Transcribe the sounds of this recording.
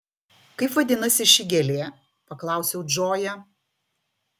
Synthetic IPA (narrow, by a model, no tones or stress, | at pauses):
kɐɪpʋɐd̪ʲɪnɐsʲɪʃʲɪɡʲɛlʲeː | pɐklˠɐˑʊsʲɛʊd͡ʒoːjɛ